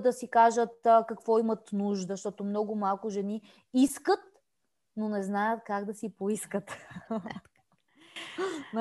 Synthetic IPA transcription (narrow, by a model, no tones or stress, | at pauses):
d̪ɐsikaʒət̪kɐkvɔimət̪nuʒd̪əʃt̪ɔt̪omnɔɡʊmalˠkʊʒɛni | iskət̪̚ | nonɛznajət̪kaɡd̪ɐsipoiskət̪